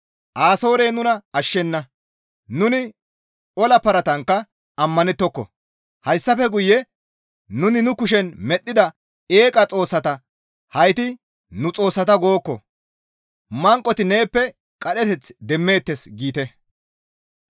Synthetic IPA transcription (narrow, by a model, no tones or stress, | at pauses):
ʔaːso̞ːɾe̞ːnʊnɐɐʃːɛnːɐ | nʊnɪ | ʔɔlɐpɐɾɐt̪ɐŋkːɐ | ɐmːɐnɛt̪ːɔkːɔ̰ | hɐjsːɐfɛɡʊjːɛ | nʊnɪnʊkʊʃ̬ɛnmɛɗːɪd̪ɐ | eːkʼɐt͡sʼo̞ːsːɐt̪ɐ | hɐjt̪ɪ | nʊt͡sʼo̞ːsːɐt̪ɐɡo̞ːkːɔ̰ | mɐŋkʼːɔt̪ɪne̞ːpːɛ | kʼɐɗɛt̪ɛt͡sd̪ɛmːe̞ːt̪ːɛsɡiːt̪ɛ